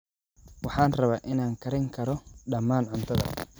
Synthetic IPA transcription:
wɑħɑːnrɐβaːʔɪnaːŋkʰɐɾɪŋkʰɐɾɔɗɐmːaːnʕʊnt̪ʰɐðɐ̰

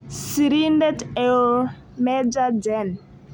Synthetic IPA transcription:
siɾindɛtɛl | mɛd͡ʒad͡ʒɛn

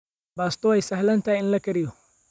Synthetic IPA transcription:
baːst̪ɔɛjsɐhlɐnt̪ʰajɪnlɐkʰɐɾɪjɔ

